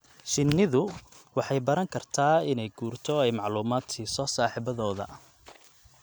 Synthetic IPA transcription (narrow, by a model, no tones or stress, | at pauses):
ʃɪnːɪðʊ | wɑħɑjbɐɾɐŋkʰɐrt̪ʰaːɪnɛjɡ̥uːrt̪ʰɔɛjmɑʕluːmaːd̪sisɔːsaːħiːbɐðɔːðɐ̰ʔ